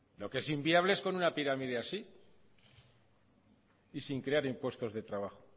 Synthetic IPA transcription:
lo̞kee̞simbiaβleesko̞nunapiɾamiðeasi | isiŋkɾe̞aɾimpwe̞st̪o̞zðe̞t̪ɾaβ̞axo

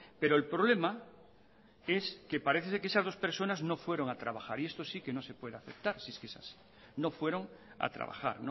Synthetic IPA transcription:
pe̞ɾoelpɾo̞β̞le̞ma | e̞ske̞paɾe̞θeseɾkeesazð̞o̞spe̞ɾso̞nazno̞fwe̞ɾo̞ŋat̪ɾaβaxaɾie̞st̪osike̞no̞se̞pwe̞ðeaθe̞p̚t̪aɾsieskeesa̰si̥ | no̞fwe̞ɾo̞ŋ | a̰t̪ɾa̰βa̰xa̰ɾno

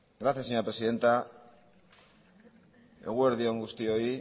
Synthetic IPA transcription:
ɡɾaθjasːeɲoɾapɾe̞siðe̞nt̪a | e̞̰ɣ̞ue̞ɾðioŋɡust̪io̞i

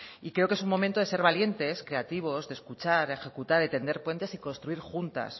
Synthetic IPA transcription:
ikɾe̞o̞kee̞sunmo̞mẽnt̪oe̞se̞ɾβ̞alje̞nt̪e̞skɾe̞at̪iβ̞o̞zðeskut͡ʃaɾe̞xe̞kut̪aɾet̪e̞nd̪e̞ɾpwe̞nt̪e̞siko̞nst̪ɾuiɾxunt̪a̰s

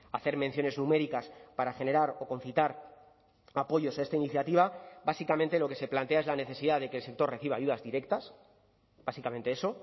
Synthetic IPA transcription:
aθe̞ɾmẽn̟θjo̞ne̞znũme̞ɾikaspaɾaxe̞ne̞ɾaɾo̞ko̞nθit̪aɾ | apo̞ʝo̞sae̞st̪ainiθjat̪iβ̞abasikament̪e̞lo̞ke̞se̞plant̪e̞ae̞zlane̞θe̞siðaðe̞kelse̞k̚t̪o̞rre̞θiβa̰jʝuðazðiɾe̞k̚t̪as | basikament̪e̞eso̞

